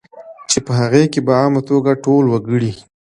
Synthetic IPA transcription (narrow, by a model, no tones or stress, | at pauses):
t͡ʃepəɦaɣekebaɑmat̪oɡaʈolwəɡəɽi